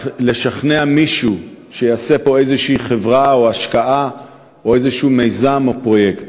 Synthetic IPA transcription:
le̞ʃaχneamiʃuʃejaːsepo̞ejzeʃiːχe̞vʁaoaʃkaʔa | o̞ejzeʃuːme̞jzamo̞pʁo̞jekt

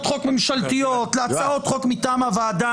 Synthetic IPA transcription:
t̪χokme̞mʃalt̪ijot̪laatt͡saot̪χo̞kmit̪aːmavaːd̪a

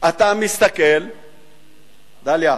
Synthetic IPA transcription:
ɐt̪amist̪ɐkel | d̪alja

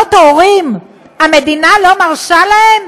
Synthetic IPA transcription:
ot̪aoʁim | ame̞d̪inalo̞maʁʃalaem

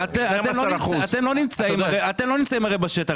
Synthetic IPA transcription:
at̪eamemlouatt̪emlonimt͡saimaʁeat̪e̞mlo̞nimt͡saimaʁejbaʃet̪a

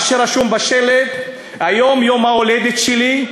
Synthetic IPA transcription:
ʃeʁaʃumbaʃeled̪ | hajo̞mjomaoled̪et̪ʃeli

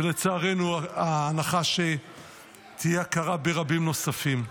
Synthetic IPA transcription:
elet͡saaʁenuaaːnaχaʃe | t̪ʰijeakaʁabeʁabimno̞safim

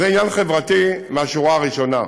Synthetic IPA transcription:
zeinjanχevʁat̪imeaʃuʁaʁiʃona̰

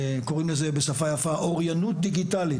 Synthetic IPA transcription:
ko̞ʁimlezebesafajafaʔoʁjanut̚d̪iɡit̪ali

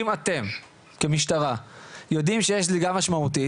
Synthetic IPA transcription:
imat̪e̞m | ke̞miʃtaʁajo̞d̪imʃejeʃliɡamaʃmaut̪i

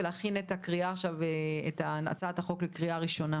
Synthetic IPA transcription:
leːχinetakʁiaːχʃavetana̰t͡sathaχo̞klekʁiaʁiʃo̞na

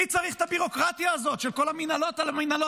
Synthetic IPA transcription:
it͡saʁiχt̪abiʁo̞kʁat̪jaːzo̞t̪ʃelko̞laminalo̞t̪alaminalo

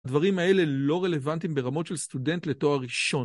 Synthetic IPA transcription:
dvaʁimae̞le̞lo̞ʁe̞le̞vantimbe̞ʁamo̞tʃe̞lst̪ude̞nt̪le̞to̞aʁiʃo̞

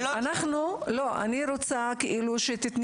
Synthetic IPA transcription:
anaχnulo̞ʔa̰niɾot͡sakeʔiluʃet̪it̪n

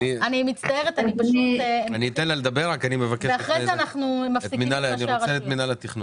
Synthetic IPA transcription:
ianimit̪t͡st̪ae̞ʁet̪anipaʃut̪aniːt̪enlaled̪ɐbeʁakanimevakeeaχʁejzeanaχnumaftikmiinalniʃoaʁeet̪minalet̪iχnu

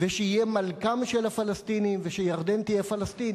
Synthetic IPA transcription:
veʃeijemalkamʃelafalast̪iniveʃejaʁd̪ent̪ijefalast̪in

